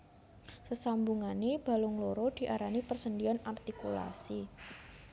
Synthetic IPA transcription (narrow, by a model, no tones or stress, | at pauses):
səsambuŋaneb̥a̤lʊŋloɾod̪̥i̤ʔaɾanipərsəndiɔnart̪ikula̰si